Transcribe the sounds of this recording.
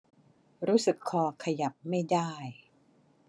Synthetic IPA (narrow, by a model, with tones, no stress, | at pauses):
ɾuː˦˥sɯ˨˩kʰːɔː˧kʰa˧ja˨˩p̚ma˥˩jdaː˥˩j